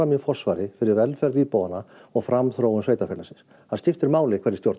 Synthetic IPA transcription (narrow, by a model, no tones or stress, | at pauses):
amjɪfɔr̥svaːɾɪfɪɾɪɾvɛlfɛɾðiːpowanːaɔɣfɾamθɾoːwʏmsveːjt̪afɛlasɪ̥ns | hanscɪft̪ɪɾmaːwlɪkʰɛɾðɪ̥t̪jowɾt̪n